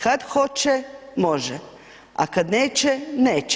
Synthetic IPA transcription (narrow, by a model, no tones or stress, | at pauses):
kad̪xot͡ʃɛmoʒɛ | a̰kad̪neːt͡ʃɛneːt͡ʃ